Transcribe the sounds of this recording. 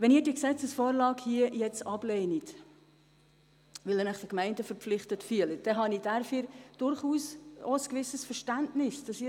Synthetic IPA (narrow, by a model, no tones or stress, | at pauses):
ʋɛniːɾdiːksɛt͡səsfoːɾlɑːkhiəjɛt͡sɑb̥lɛːnit | ʋɪlnæχd̥əkmɛɪndəfəɾpflɪχtətfyələd̥ɛɦɑnid̥æɾfiɾd̥ʊɾχuːsoəskʋɪsəsfəɾʃtæntnɪsd̥ɑsiː